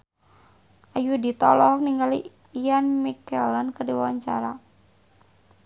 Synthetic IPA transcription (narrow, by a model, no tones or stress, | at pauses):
ʔajudit̪ɔlɔk̚niŋɡali | janmikɛlankərdiwaɲt͡ʃa̰ɾa